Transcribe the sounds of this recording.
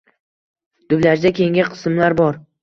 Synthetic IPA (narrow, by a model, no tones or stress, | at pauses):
d̪̥ʊblaɾd͡ʒ̪akʲe̞ŋʲaqʰɨ̥sɨmlaɾbɒɾ